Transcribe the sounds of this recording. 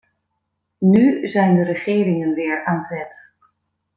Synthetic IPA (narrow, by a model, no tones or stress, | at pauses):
nyzɛjndəɾəχɪːɾɪŋənʋɪːɹaːnzɛt